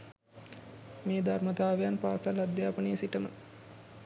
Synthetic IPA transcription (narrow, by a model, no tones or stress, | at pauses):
meːd̪ʱarmət̪aːʋejanpaːsalad̪jaːpənejəsiʈəmə